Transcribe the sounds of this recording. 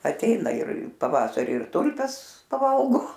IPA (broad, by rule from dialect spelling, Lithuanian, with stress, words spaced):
ɐtʲˈɛɪnɐ ɪr pɐˈʋɑːsɐrʲɪ ɪr ˈtʊlʲpʲɛs pɐˈʋɐlˠɡoː